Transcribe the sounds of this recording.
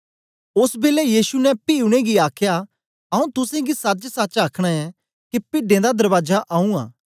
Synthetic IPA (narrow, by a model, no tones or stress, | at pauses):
ʊsbeːlɛjiːsunɛpiːʊɽ̃eɡiaːkʰja | ɐũt̪ʊsẽɡisɐt͡ʃsɐːt͡ʃaːkʰɽ̃aɛ | kipɪɖẽd̪ad̪ɐɾbaːd͡ʒaʔaːũa̰ː